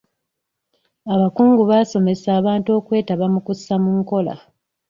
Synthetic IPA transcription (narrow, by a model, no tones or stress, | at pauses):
aβakuːŋɡuβaːso̞me̞saːβaːntuo̞ːkwe̞ːtaβamukusːamuːŋko̞la̰